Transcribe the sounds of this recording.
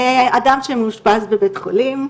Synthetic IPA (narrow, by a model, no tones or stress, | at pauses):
adamʃemuʃpazbebetχo̰lim